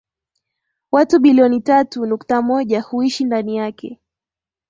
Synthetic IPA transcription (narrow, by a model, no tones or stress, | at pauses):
watuɓiliɔnitatunuktamɔʄahuiʃindanijakʰɛ̰